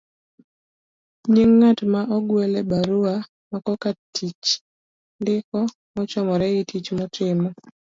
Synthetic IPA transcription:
ɲiŋːatmaʔɔɡwɛlɛbaɾua | makɔkatʰit͡ʃ | ndɪkɔ | mɔt͡ʃɔmɔɾɛitʰit͡ʃmɔtʰɪmɔ

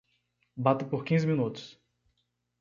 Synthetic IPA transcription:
bat̪ɐpoɾkĩzɪmĩnut̪ʊ̥s

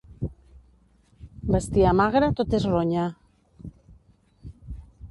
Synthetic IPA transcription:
bast̪iamaɣɾat̪ot̪ezroɲa

